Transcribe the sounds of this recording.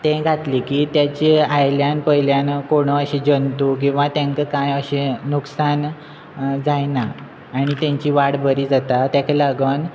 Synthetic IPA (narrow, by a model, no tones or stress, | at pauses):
t̪ẽɡʱat̪liːkiːt̪jat͡ɕiajljanpəɦiljankoɽ̃əəɕed͡ʑənt̪uk̬ĩw̃ʋat̪jãŋkəkãjəɕẽnuksan | d͡zajnaː | ɽ̃it̪jaɲt͡ɕiːʋaɽbəɾiːd͡zat̪at̪jakalaɡən